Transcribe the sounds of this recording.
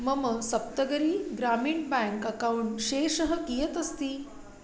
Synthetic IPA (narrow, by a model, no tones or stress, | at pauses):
məməsɐp̚t̪əɡəɾiːɡɾamiːɳbaŋkɐkawuɳʈɕeːʂəɦəkijət̪ɐst̪iː